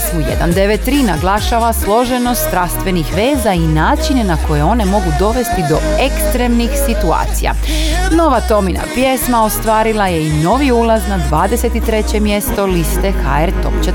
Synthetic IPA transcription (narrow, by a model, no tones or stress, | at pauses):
smujḛd̪a̰nd̪eʋett̪ːɾiːnaɡlˠaʃaʋaslˠo̞ʒe̞nost̪t̪ɾast̪ʋe̞nixʋe̞ːzainaːt͡ʃinenako̞je̞o̞ne̞mo̞ɡud̪o̞ʋe̞st̪id̪o̞ekst̪ɾe̞mnixsit̪ua̰ːt̪sḭja̰ | no̞ʋat̪o̞mina̰pjesmaost̪ʋaːɾilˠaje̞ino̞ʋiulˠaznad̪ʋaːd̪ese̞t̪it̪ɾe̞t͡ɕe̞mje̞st̪o̞list̪e̞xaeɾt̪o̰mt͡ʃe